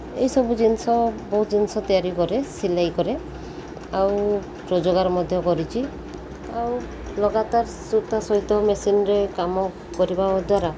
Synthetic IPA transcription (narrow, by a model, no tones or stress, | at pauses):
ḛjsɔbud͡ʒinsɔbɔɦut̪d͡ʒinsɔt̪ɔjaɾikɔɾesilajkɔɾe | aw | pɾɔd͡ʒoɡaɾmɔd̪ʱjɔkɔɾit͡ʃʰi | aw | lɔɡat̪aɾsuɾt̪asɔɦit̪ɔmesinɾekamɔ | kɔɾibad̪waɾa